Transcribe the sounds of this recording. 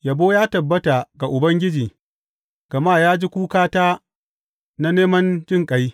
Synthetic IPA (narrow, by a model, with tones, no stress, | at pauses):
ja˨boː˦jaː˦tɐ˨bːɐ˦ta˨ɡa˨ʔʊ˨bɐ˦ŋɡʲɪ˦d͡ʒiː˨ | ɡ̥ɐ˨maː˦˨jaː˦d͡ʒi˦kʷuː˦kaː˦taː˦ | na˦neː˦mɐ˦nd͡ʒɪ˦˨ŋkʼɐ˦j